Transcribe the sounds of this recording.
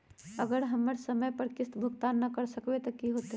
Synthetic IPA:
ɐɡəɾɦɐmːəɾsɐməjpəɾkɪst̪bʱʊɡt̪aːnːɐkɐɾsɐkwet̪ɐkiɦoːt̪

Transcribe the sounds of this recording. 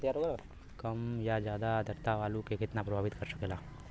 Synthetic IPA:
jaːɾoɡɐl | kɐmjad͡ʒjaːd̪ad̪ʱɐɾt̪aʋaːlukekɪt̪napɾɐbʱaːʋɪt̪kɐɾsɐkelaː

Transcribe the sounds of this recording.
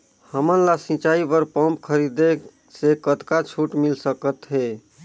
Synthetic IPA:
həmənlasĩt͡ʃaibəɾpɔ̃mp̚kʰəɾid̪e | sekət̪kat͡ʃʰuʈmilsəkət̪ɦe

